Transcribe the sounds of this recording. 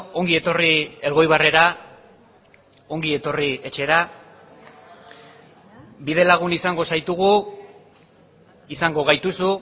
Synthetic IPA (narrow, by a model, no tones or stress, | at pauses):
o̞ŋɡie̞t̪o̞rie̞lɣo̞jβ̞are̞ɾa | o̞ŋɡie̞t̪o̞rie̞t͡ʃe̞ɾa | bið̞e̞laɣ̞unisaŋɡo̞sajt̪uɣ̞u | isaŋɡo̞ɣ̞ajt̪usu